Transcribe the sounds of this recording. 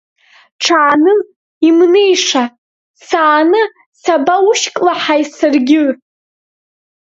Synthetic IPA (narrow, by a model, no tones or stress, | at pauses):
ʈ͡ʂʰaːnɨ | imnejʂa | saːnɨ | sabauʃkʼlaħajsɨrɡʲɪ